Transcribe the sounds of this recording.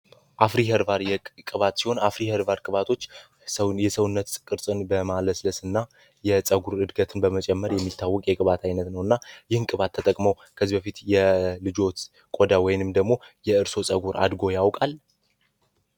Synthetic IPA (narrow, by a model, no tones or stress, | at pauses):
ʔafɾihəɾvaɾjɛkʼɨβat̪siho̞nafɾihəɾvaɾkʼɨβat̪ʰo̞t͡ʃː | jɛsəwʊnːət̪ʼkʼɨɾsʼɨnbəmaləsləsɨnːa | jɛsʼəɡuɾɨd̪ɡət̪ʰɨnbəmət͡ʃʼɛmːəɾjɛmːit̪ʰːawːɔkʼjɛkʼɨβat̪ʰajnət̪nəwɨnːajɪhɨnkʼɨβat̪ʰːət̪ʼəkʼməw | kʰəzibəfit̪jɛlɨd͡ʒo̞t̪ | kʼod̪awɔjɪnɨmd̪əɡmo̞jɛɨɾso̞sʼəɡuɾa̰d̪ɡo̞jawkʼal